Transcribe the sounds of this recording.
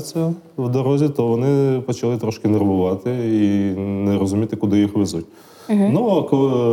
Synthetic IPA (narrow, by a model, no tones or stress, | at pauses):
t͡sʲjɐ | wd̪ɔɾɔzʲit̪ɔʋɔnɪpɔt͡ʃɐlˠɪt̪ɾɔʃkʲɪnɐrʋʊʋɑt̪ɪinɛɾɔzʊmʲit̪ɪkʊd̪ɪjixʋɪzut̚ʲ | nukɔ